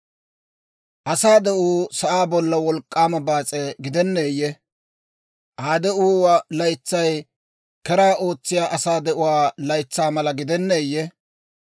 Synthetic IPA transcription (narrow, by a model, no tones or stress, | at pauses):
ʔɐsaːd̪ɛʔuːsɐʔaːbɔlːɐwɔlkʼːaːmɐbaːt͡sʼɛɡɪd̪ɛnːeːjːɛ | ʔaːd̪ɛʔuːwalɐjt͡sːɐj | kɛɾaːʔo̞ːt͡sːɪjaːʔɐsaːd̪ɛʔʊwaːlɐjt͡sːaːmɐlɐɡɪd̪ɛnːeːjːɛ